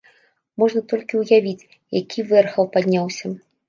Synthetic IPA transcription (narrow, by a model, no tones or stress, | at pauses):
mɔʐnɐt̪ɔlʲkʲiwjavʲit͡sʲ | jakʲivɛrxɐwpad̪ʲnʲawsʲɐ